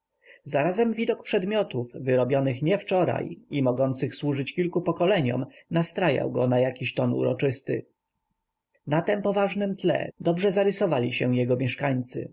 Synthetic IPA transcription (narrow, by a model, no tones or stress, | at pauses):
zaɾazɛmvʲid̪ɔk̚pʂɛd̪mʲjɔt̪ufvɘɾɔbʲjɔnɘxɲɛft͡ʂɔɾa̰jimɔɡɔnt̪sɘxswuʐɘt͡ɕkʲilkupɔkɔlɛɲɔ̰mnast̪ɾaja̰wɡɔnajakʲiɕt̪ɔnṵɾɔ̰t͡ʂɘst̪ɘ̰ | nat̪ɛmpɔvaʐnɘmt̪lɛ̰d̪ɔbʐɛzaɾɘsɔvalʲiɕɛw̃jɛɡɔmʲjɛʂkaɲt̪sɘ̰